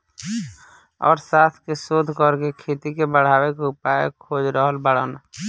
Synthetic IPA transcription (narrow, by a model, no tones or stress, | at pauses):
ɔ̰ːɾsaːt̪ʰkesoːd̪ʱkəɾkekʰeːt̪ikebəɽ̤aːwekʊpaːjekʰoːd͡ʒɾəɦəlbəɽ̤ən